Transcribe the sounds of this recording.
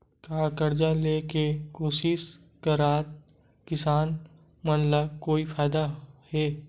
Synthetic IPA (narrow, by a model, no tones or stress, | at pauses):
kaːkəɾd͡ʒaleːkekoːʃɪʃ | kəɾaːt̪ | kɪsaːn | mənlakoːifʰaːɪd̪ahɛː